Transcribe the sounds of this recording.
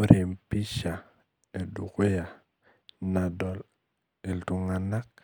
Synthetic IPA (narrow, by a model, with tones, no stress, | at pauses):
u˦ɾe˨mpi˦ʃa˨ | e˨du˨ku˦ja˨ | na˨do˨l | e˨ltu˨ŋa˨na˦k̚